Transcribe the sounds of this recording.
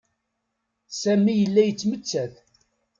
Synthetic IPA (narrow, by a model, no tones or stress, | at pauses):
sæmijəlːæjət͡sːmət͡sːæθ